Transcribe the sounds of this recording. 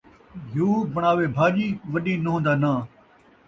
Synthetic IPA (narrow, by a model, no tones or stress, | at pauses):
ɦuːbəɳ̃aːʋeːbʱaːʄiːʋɐɗĩːnɐɦõːnd̪aːnaː